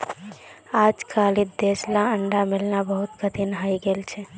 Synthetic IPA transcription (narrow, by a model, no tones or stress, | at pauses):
ad͡ʒkalid̪eslaəɳɖamilnabəɦut̪kət̪inɦajɡelt͡ʃʰɛ